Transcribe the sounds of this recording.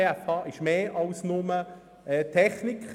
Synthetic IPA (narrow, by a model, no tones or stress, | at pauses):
eɛfɑːʔɪʃmeːʔɑlsnʊmə | ɛːtʰɛχnɪk